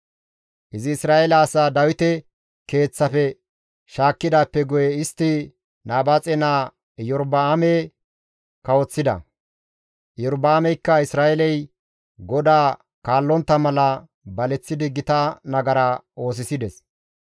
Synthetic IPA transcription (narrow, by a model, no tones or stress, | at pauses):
ʔɪzɪːsɾaːʔɛlɐːsaːd̪ɐwɪt̪ɛ | ke̞ːt͡sːɐfɛ | ʃaːkːɪd̪aːpːɛɡʊjɛɪst̪ːɪ | naːbat͡sʼɛnaː | jɔɾbaːme | kɐwɔt͡sːɪd̪ɐ̰ | jɔɾbaːmɛjkːɐɪsɾaːɛlɛj | ɡɔd̪aː | kaːlːɔnt̪ːɐmɐlɐ | bɐlɛt͡sːɪd̪ɪɡɪt̪ɐnɐɡɐɾao̞ːs̬ɪsɪd̪ɛs